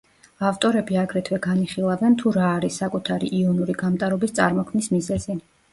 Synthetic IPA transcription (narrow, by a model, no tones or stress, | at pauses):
aft̪ʼɔɾɛbiaɡɾɛt̪ʰwɛɡaniχilˠavɛnt̪ʰuɾaːɾisːakʼut̪ʰaɾiʔiɔnuɾiɡamt̪ʼaɾɔbist̪sʼa̰ɾmɔkʰmnismizɛzi